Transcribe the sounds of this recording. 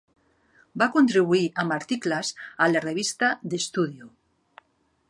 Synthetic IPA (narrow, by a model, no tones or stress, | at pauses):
bakont̪ɾiβuiamaɾt̪iklasalareβ̞ist̪ad̪est̪uðjo